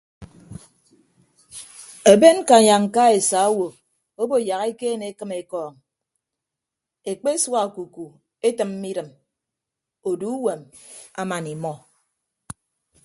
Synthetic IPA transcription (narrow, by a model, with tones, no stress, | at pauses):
e˨be˦n˦ka˨ɲa˨ŋ̩˨ka˦e˨sa˨o˦wo˨ | o˦bo˦˨ja˨ɣe˦keː˦ne˨˦kɨ˦me˨kɔː˨ŋ | e˨k͡pe˦swa˨ku˨ku˨ | e˦tɨ˨m̩ː˦i˦ɾɨ˨m | o˨du˨˦u˦we˨m | a̰˦ma˨ni˨mɔ˦